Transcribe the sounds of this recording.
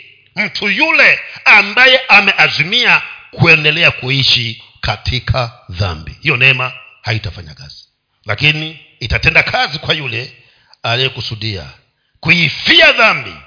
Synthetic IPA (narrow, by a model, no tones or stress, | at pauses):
m̩tʰujulɛambajɛʔamɛʔazimiakuɛndɛlɛakuiʃi | katʰikʰaða̰mbḭhijɔnɛma | haitafaɲa̰ka̰z̥i̥ | la̰kiniː | tatɛndakʰazikwajulɛ | aliɛkusuɗia̰ | kujifiaðambḭ